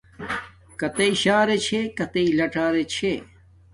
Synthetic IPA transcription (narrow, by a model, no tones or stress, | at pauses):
kɐt̪eiɕaːɾet͡ɕʰekɐt̪eilɐʈaːɾet͡ɕʰe